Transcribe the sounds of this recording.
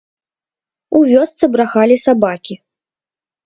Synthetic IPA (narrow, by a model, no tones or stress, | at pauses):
uvʲɔst̪sɨbɾaxalʲisabakʲi